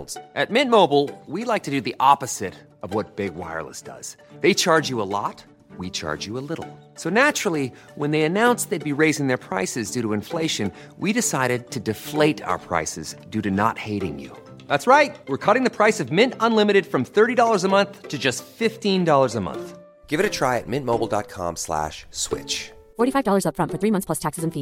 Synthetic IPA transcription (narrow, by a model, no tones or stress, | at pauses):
z̥ʔɨt̚mɪ̃nmoʊbl̩ˠwilaɪk̚tʰɨdɨðiʔɑpɨz̥ɪɾ | ʌvwʌt̚b̥ɪɡwa̰ɪə̰˞lˠə̰sd̥ʌ̰z̥ | ðeɪt͡ʃʰɑɹd͡ʒɨəlɔ̰t̚ | wit͡ʃʰɑ̰ɹd͡ʒɨəlɪɾl̩ˠ | soʊnæt͡ʃɹl̩ˠi | wə̃nðeɪɨnãʊ̃nsðeɪd̚biɹeɪzɪ̃ŋðə˞pʰɹ̥aɪsɨzdʉɾəɨ̃ɱfleɪʃɨ̃n | wiɾɨsaɪɾɨd̚tʰɨdɨfleɪɾa̰ʊə̰˞pʰɹ̥a̰ɪsɨ̰zdʉɾɨnə̰t̚heɪɾɪ̰̃ŋjʉ̰ | ðætsɹaɪt̚wɨɹkʰʌɾɪ̃ŋðɨpʰɹ̥aɪsʌvmɪ̃ntə̃nlɪ̃mɨɾɨd̥fɹʌ̃mθɜ˞ɾidɔlˠə˞zəmʌ̃nθtʰɨd͡ʒʌstfɪftĩndɔlˠə˞zəmʌ̰̃nθ | ɡ̥ɪvɨɾɨtʰɹ̥aɪɨ̰t̚mɪ̃nmoʊbl̩ˠdɑ̰t̚kʰɑ̰̃mslæ̰ʃswɪ̰t͡ʃ | fɔɹɾifaɪvdɔlˠə˞zʌpfɹʌ̃ntfə˞θɹimʌ̃nθspʰlʌstʰæksɨzə̃ɱfi